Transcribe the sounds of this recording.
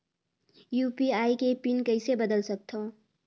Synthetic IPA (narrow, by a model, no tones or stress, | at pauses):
jupiaːikepinkəɪsebəd̪əlsək̚t̪ʰo